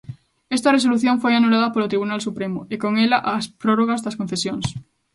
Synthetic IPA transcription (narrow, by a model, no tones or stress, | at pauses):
est̪aresoluθjõɱfojanulaðɐpolot̪ɾiβ̞unalsupɾemoekoŋelaʔːspɾoroɣ̞azðaskon̟θesjoŋs